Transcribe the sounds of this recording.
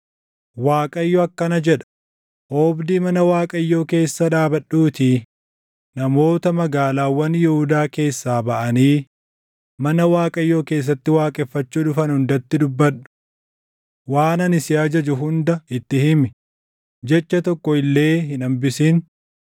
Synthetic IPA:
waːkʼɐjːɔɐkːɐnɐd͡ʒɛᶑɐ̥ | oːbd̪iːmɐnɐwaːkʼɐjːo̞ːke̞ːsːɐᶑaːbɐɗuːt̪i | nɐmo̞ːt̪ɐmɐɡaːlaːwːɐnjɛhʊd̪aːke̞ːsːaːbɐʔɐniː | mɐnɐwaːkʼɐjːo̞ːke̞ːs̬ːɐt̪ːɪwaːkʼɛfːɐt͡ʃːuːᶑʊfɐnhʊnd̪ɐt̪ːɪd̪ʊbːɐᶑʊ̥ | waːnɐnɪsɪɐd͡ʒɐd͡ʒʊɦʊnd̪ɐɪt̪ːɪhɪmɪ | d͡ʒɛt͡ʃːɐt̪ɔkːɔɪlːe̞ːɦɪnɐmbɪsin

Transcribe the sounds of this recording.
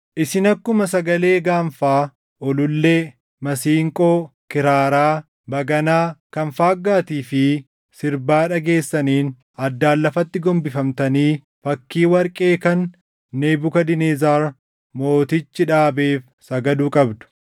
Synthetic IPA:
ʔɪsɪnɐkːʊmɐsɐɡɐle̞ːɡaːɱfaː | ʔɔlʊlːe̞ː | mɐsiːŋkʼo̞ːkɪɾaːɾaː | bɐɡɐnaːkɐnfaːɡːaːt̪iːfɪ | sɪɾbaːᶑɐɡe̞ːsːɐniːn | ɐd̪ːaːlːɐfɐt̪ːɪɡɔmbɪfɐmt̪ɐniː | fɐkːiːwɐɾkʼe̞ːkɐnː | eːbʊkɐd̪ɪnezaːɾ | mo̞ːt̪ɪt͡ʃːɪᶑaːbe̞ːf | sɐɡɐd̪uːkʼɐbd̪ʊ̥

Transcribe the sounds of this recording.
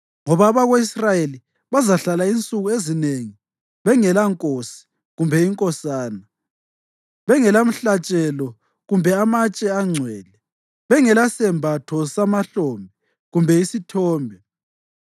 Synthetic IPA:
ŋɔβaːβaɣoisrajeli | βazaɬalaint͡sʼuɣuezineŋi | βɛŋɛlaŋkʼosi̥ | ɣumbʱɛiŋkʼɔsaːna | βɛŋɛlam̩ɬat͡ʃʼɛlɔ | ɣumbʱɛamat͡ʃʼɛaŋ͡ǀʱwɛːlɛ | βɛŋɛlasɛmbʱatʰɔsamaɬɔmbʱɛ | ɣumbʱɛisitʰɔːmbʱɛ

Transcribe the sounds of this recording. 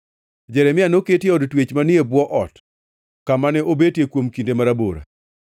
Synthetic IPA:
d͡ʒɛɾɛmɪanoketjeɔdtwet͡ʃmanɪebwɔʔɔt | kamanɛʔobetjekwomkindemaɾabo̰ɾa̰

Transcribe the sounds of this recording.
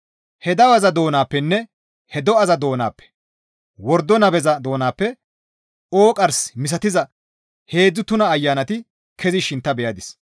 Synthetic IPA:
hɛd̪ɐwɐzɐd̪o̞ːnaːpːɛnːɛ | hɛd̪ɔɐzɐd̪o̞ːna̰ːpːɛ̥ | wɔɾd̪ɔnɐbɛzɐd̪o̞ːnaːpːɛ | o̞ːkʼɐɾsmɪs̬ɐt̪ɪzɐ | he̞ːd͡zːʊt̪ʊnɐːjːaːnɐt̪ɪ | kʰɛzɪʃɪnt̪ːɐbɛjɐd̪ɪs

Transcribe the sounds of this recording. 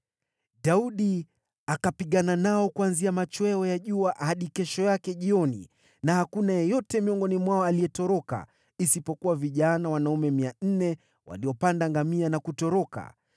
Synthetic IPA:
ɗauɗi | akapiɠananaɔkuanziamat͡ʃwɛɔjaʄuaʔhaɗikɛʃɔjakɛʄiɔnḭ | nahakunajɔjɔtɛmiɔŋɡɔnimwaɔaliɛtɔɾɔka̰ | isipɔkuwaviʄanawanaumɛmian̩nɛ | wa̰liɔpandaŋɡamianakutɔɾɔka̰

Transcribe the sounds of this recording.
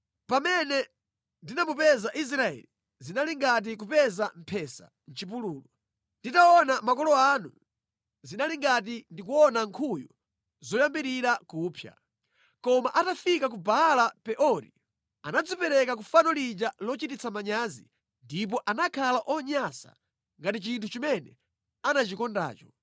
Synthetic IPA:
pamɛnɛ | ndinamupɛzaʔis̬ɾaɛ̰li | zinaliŋɡat̬ik̬upɛzam̩pʰɛsa̰ | n̩t͡ʃip̬uluːlɔ | nditaɔnamakɔlɔanu | zinaliŋɡat̬indikuɔnaŋkʰujṵ | zɔjambiɾiɾakuːpʰja̰ | kɔmaʔatafikak̬ubalapɛʔɔɾḭ | anad͡zipɛɾɛkak̬ufanɔlid͡ʒalɔt͡ʃitit͡sʰamaɲazḭ | ndip̬ɔʔanakʰalaʔɔɲasa̰ | ŋɡatit͡ʃintʰut͡ʃimɛnɛ | anat͡ʃikɔnda̰ːt͡ʃɔ̥

